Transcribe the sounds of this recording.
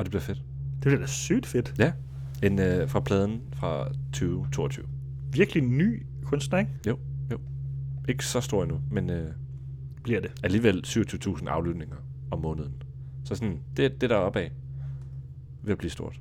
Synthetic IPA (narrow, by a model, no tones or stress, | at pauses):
ɒ̽d̥e̝b̥liɐfe̝d̥ | d̥eb̥liɐd̥æsy̰ːd̥fed̥jæ | enfʁɑ̈pʰlɛːð̞ˠn̩fʁɑ̈t͡sʰyːʊt͡sʰo̝ːɒt͡sʰy̰ːʊ | ʋiɐɡ̥əliny̰ː | kʰɔ̽nsd̥neŋjoʊjoʊe̝ɡ̥ə̥sɒ̽sd̥o̝ɐ̰inumenø | b̥liɐ̰d̥e̝æliːʋel̰syːʊɐt͡sʰyːʊt͡sʰṵːsn̩ɑ̈ʊlyd̥ne̝ŋɐ | ɒ̽mːɔ̽ːnəð̞ˠn̩ | sɒ̽sɔnd̥ed̥e̝d̥æɒ̽b̥ɛ̰ | ʋe̝b̥lḭːsd̥o̝ɐ̰d̥